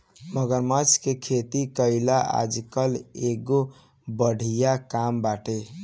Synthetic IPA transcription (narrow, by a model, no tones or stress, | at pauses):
məɡəɾmət͡ʃʰkekʰet̪ikəɪlaʔa̰d͡ʒkəleɡo | bəɽʱijakambaʈe